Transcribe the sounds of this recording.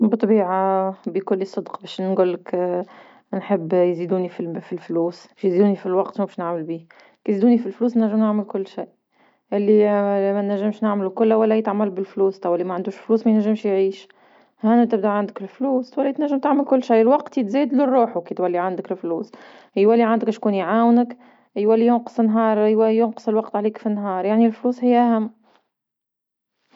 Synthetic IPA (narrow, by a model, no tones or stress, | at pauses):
bɨt̪ˤbiːʕabikʊlːisˤːɨd̪qbɛːʃnnɡʊlːɪk | nħəbːjzid̪uːnififilfluːsbɛʃjziːd̪uːnifilwɑqt̪mubɛʃnaʕməlbiː | kiziːd̪uːnifilfluːsnæʒːəmnaʕməlkʊlːʃaːʔ | ʔɪlːimænːæʒːɪmʃnaʕmlukʊlːæwælːæjɪt̪ʕmalbɪlfluːst̪ɑwɪlːimæʕand̪uːʃfluːsmæjnæʒːɪmʃjʕiːʃ | hænæt̪ɪb̚d̪uʕand̪əkɪlfluːswælːæt̪næʒːəmt̪aʕməlkʊlːʃajːlwɑqt̪it̪zɛːd̪lʊrˤːuːħukit̪wælːiʕand̪əkɪlfluːs | hjwælːiʕand̪ɪkɪʃkuːnjʕaːwnək | jwælːijʊnqə̥sˤənːɦɑːɾˤwjʊnqə̥səlwɑqt̪ʕaliːkfinːɦɑːɾˤjaʕnilfluːshɪjːʔæhæmː